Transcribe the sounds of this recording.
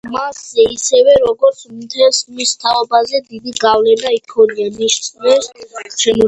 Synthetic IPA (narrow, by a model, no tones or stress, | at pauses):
masːɛisɛvɛɾɔɡɔɾt̪sʰmt̪ʰɛlsχmist̪ʰaɔbazɛd̪id̪iɡavlɛnaikʰɔnianiʃt̪sʼvɛst͡ʃʰɛnu